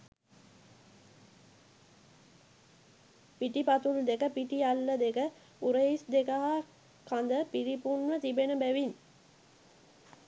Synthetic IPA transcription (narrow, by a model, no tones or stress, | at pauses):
piʈipat̪uld̪ekəpiʈialːəd̪ekə | uɾəisd̪ekaɦa | kand̪əpiɾipunʋət̪ibenəbæʋin